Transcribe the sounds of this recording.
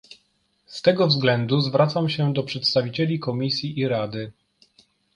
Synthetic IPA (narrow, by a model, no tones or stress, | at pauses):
st̪ɛɡɔvzɡlɛnd̪uzvɾat̪samɕɛd̪ɔpʂɛt̪st̪avʲit͡ɕɛlʲikɔmʲisʲjiʔiɾad̪ɘ